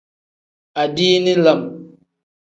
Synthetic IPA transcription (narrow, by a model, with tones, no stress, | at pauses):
a˨diː˦ni˦lə˨m